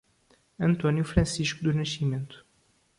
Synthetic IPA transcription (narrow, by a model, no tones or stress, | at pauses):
ɐ̃nt̪ɔnjufɾɐ̃siʃkud̪unɐʃimẽnt̪u̥